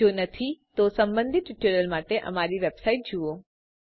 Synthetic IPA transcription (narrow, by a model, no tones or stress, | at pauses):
oːnɐt̪ʰit̪osɐ̃mbə̃nd̪ʱiɪʈəɾəlmaːʈeʔɐ̰maːɾiʋeːbsaːɪʈ̚d͡ʑʱuoː